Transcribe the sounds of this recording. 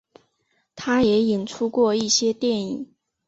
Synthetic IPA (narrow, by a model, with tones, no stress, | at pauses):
t̪ʰa˥jɛ˧˥i˨˩nʈ͡ʂʰu˥kwɔ˥˧i˥˩ɕjɛ˥t̪jɛ˥˩nḭ˨˩˦ŋ